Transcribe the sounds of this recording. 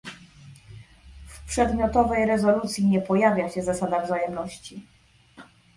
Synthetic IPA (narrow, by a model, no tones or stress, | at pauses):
fpʂɛd̪mʲjɔt̪ɔvɛjɾɛzɔlut̪sʲjiɲɛpɔjavʲjaɕɛzasad̪avzajɛmnɔɕt͡ɕi